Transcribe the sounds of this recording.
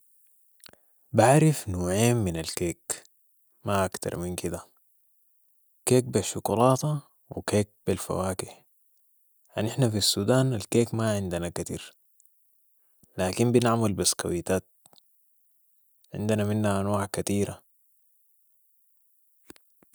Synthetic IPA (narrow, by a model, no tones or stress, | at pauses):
baʕɾɪfnoːʕeːmːinalkeːk | maʔakt̪ɑ̰ɾˤminkid̪a | keːk̚biʃːukulɑːt̪ɑ | wḭkeːk̚bilfa̰waːkiħ | ʕaniħnafisːuːd̪aːnalkeːkmaʕɪnd̪anakat̪ḭːɾ | laːkimbinaʕmalbaska̰wit̪aːt̪̚ | ʕɪ̰nd̪anaminːaʔanwaːʕkat̪iːɾa